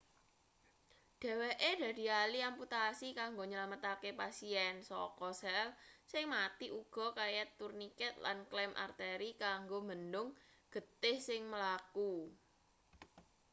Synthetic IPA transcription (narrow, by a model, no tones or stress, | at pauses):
ɖ̥ɛ̤weʔed̥ä̤d̪i̤aliamput̪asikaŋɡoɲəlamət̪akepasiɛnsɔ̰kɔsɛlsɪŋmat̪iʔuɡ̥ɔ̤kajɛt̪ːurnikɛt̪̚la̰nklɛmʔa̰rt̪eɾikaŋɡoməndʊŋɡ̥ə̤t̪ɪhsɪŋməlaku